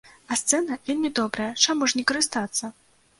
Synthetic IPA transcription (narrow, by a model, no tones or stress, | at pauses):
ɐst̪sɛnɐvʲelʲmʲid̪ɔbɾɐjɐt͡ʂamuʂnʲɛkɐɾɨst̪at̪sːɐ